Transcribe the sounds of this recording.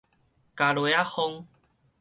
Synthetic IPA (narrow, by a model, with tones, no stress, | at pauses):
ka˨lwe˨˦a˦ho˧ŋ